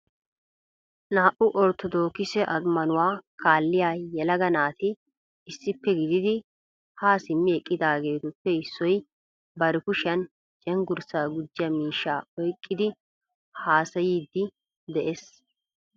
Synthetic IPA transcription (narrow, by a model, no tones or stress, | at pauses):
naːʔʊʔɔɾt̪ɔd̪oːkɪsɛʔɐmːɐnʊwaːkaːlːɪjaːjɛlɐɡɐnaːt̪ɪ | ɪsːɪpːɛɡɪd̪ɪd̪ɪ | haːsɪmːɪɛkʼːɪd̪aːɡe̞ːt̪ʊpːɛɪsːɔj | bɐɾɛkʊʃɐn | t͡ʃʼɛŋɡʊɾsaːɡʊd͡ʒːɪɐmiːʃːaːɔjkʼːɪd̪ɪ | haːsɐjiːd̪ːɪ | d̪ɛʔes